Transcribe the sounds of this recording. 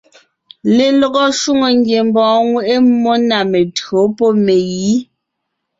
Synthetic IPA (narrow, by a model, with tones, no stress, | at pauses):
le˨lɔ˦ɣɔ˦ʃwu˦ŋo˨ŋ˦ɡje˨m˦bɔ̃ː˨˦ŋwʔe˦m̩˦mo˦na˨me˨tɰo˨˦po˦me˨ji˨˦